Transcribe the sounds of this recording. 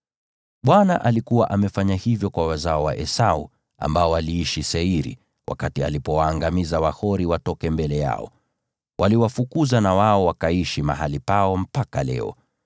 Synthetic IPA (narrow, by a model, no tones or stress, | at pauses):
ɓwanaʔalikuwa̰ʔamɛfaɲahivjɔkwawazaɔwa̰ʔɛsaṵ | a̰mbaɔwaliiʃisɛiɾḭ | wʔa̰katia̰lipɔwaːŋɡamizawahɔɾiwatɔkɛmbɛlɛja̰ɔ̰ | wʔaliwafukuzanawaɔwakaiʃima̰ɦalipaɔm̩pakalɛ̰ɔ̰